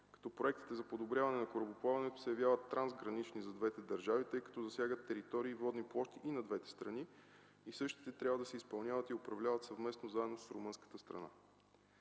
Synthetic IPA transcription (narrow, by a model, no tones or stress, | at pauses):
kɐ̥t̪ɔpɾoɛk̚t̪i̥t̪ɛzɐpod̪obɾʲjavɐnɛnɐkoɾɐboplˠavɐnɛt̪o̥sɛjɐvjavət̪ːɾanzɡɾɐnit͡ʃnizɐd̪vɛt̪ɛd̪ɐɾʒavit̪ɤjkɐ̥t̪ɔzɐsʲjaɡət̪ːɛɾit̪ɔɾiːvɔd̪niplˠɔʃt̪iʔinɐd̪vɛt̪ɛ̥st̪ɾɐni | isɤʃt̪i̥t̪ɛt̪ɾʲabvəd̪ɐsɛispɐlˠnʲjavət̪iopɾɐvlʲavət̪sɐvmɛsnozaɛd̪nossɾomɤnskə̥t̪əst̪ɾɐ̰na̰